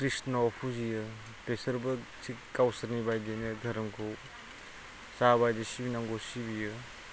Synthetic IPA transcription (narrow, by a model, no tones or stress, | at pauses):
kɾisnaɔpʰuzijɯ | pesɐɾbɐ | sikawsɐɾnibajdenɐdʱɐɾɐmkʰow | saβajdesibinaŋɡosibijɯ